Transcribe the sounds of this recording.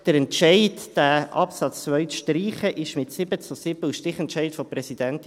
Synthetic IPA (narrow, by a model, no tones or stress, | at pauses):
d̥əɾɛntʃɛɪdd̥æːʔɑpsɑt͡st͡svœʏtʃtɾiːχəʔɪʃmɪtsɪbət͡susɪbəʃtɾɪχɛntʃɛɪtfɔpɾɛsid̥ɛnt